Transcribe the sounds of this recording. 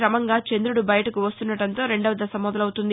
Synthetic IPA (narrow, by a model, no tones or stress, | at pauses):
ɾɐmɐŋɡaːt͡ʃend̪ɾuɽubɐjɐʈɐkuʋɐst̪unːɐʈɐnt̪o̞ːɾe̞ɳɖɐʋɐd̪ɐsɐmɔd̪ɐlɐwut̪und̪i